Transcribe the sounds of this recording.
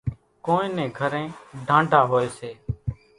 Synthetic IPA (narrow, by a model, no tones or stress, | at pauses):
koːĩːnẽːɡʱəɾẽːɖʱãːɳɖʱaːɦoːeːseː